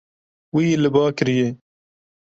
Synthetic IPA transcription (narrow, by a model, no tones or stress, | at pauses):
wilɨbɑːkɨɾije